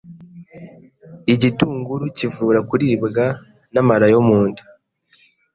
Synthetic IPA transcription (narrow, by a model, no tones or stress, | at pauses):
iɟituːŋɡuɾucivuːɾakuɾiːbɡa | namaɾajomuːndu̥